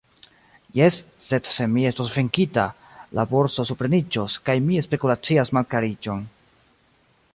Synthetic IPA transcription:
je̞sː | e̞dse̞mie̞stosveŋkita | la̰bo̞ɾso̞supɾe̞nid͡ʒoskajmie̞spe̞kulat͡siasmalkaɾid͡ʒo̞n

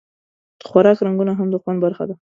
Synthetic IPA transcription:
d̪̥əxwaɾɑkɾaŋɡunaɦamd̪əxwanbaɾxa̰d̪a

